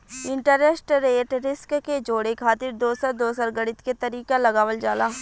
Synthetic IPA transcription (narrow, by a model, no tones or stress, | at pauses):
ɪ̃ɳʈəɾesʈɾeːʈɾɪskked͡ʒoːɽekʰaːt̪ɪɾd̪oːsəɾd̪oːsəɾɡəɽɪt̪ket̪əɾiːkalɐɡaːwəld͡ʒaːlaː